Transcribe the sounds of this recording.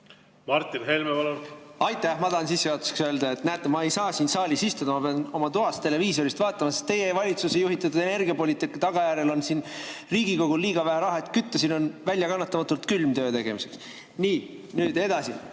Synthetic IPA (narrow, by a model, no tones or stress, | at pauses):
mɑrt̪ːinɦelmepɑlonɑjt̪ːˑæhmɑd̪ɑːnsisːeɑt̪u̥se̥ksøld̪ɑe̞t̪næt̪ːˑemɑe̞jsɑːsiːnsɑːlʲisist̪ud̪ɑmɑpeɑno̞mɑt̪uɦɑst̪e̞le̞viːso̞ɾist̪vɑːt̪ːˑɑmɑsest̪e̞jevɑlʲit̪susejuɦit̪ːˑɑt̪ːud̪̥e̞ne̞rɡiɑpo̞lʲit̪ːˑikːɑt̪ɑɡ̥ɑjæɾe̞lo̞nsiːnriːɡ̥iko̞ɡ̥ulːiːɡ̥ɑvæɦæɾɑɦɑet̪ˑkyt̪ːɑsino̞nvælʲjɑkɑnːɑt̪ːˑɑmɑt̪ːˑult̪kylmt̪øːt̪e̞ɡ̥e̞mise̞̥ks | niː | nyːd̪e̞d̪ɑsḭ